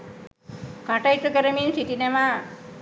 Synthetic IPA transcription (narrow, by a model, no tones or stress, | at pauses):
kaʈajt̪ukəɾəminsitineʋa